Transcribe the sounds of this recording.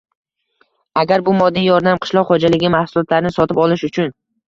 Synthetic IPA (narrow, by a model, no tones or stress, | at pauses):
aɡʲaɾbʊmɒd̪ijɒɾd̪amqʰɨ̥ʃlˠɒqχod͡ʒalɪɡʲɪmahsʊlˠɒt̪laɾɪnɪsɒt̪ʰɪpɒlɪʃʊt͡ʃʰʊn